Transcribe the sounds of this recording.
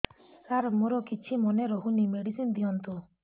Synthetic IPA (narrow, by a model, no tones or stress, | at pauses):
kaɾɔmoɾɔkit͡ʃʰimɔnɛɾɔɦunimeɽisind̪iɔnt̪u